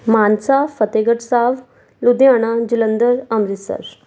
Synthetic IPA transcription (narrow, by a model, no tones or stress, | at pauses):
maːnsafət̪eɡəʈsaʋ | lud̪ijaɽ̃ad͡ʑilənd̪əɾəmɾisə̰ɾ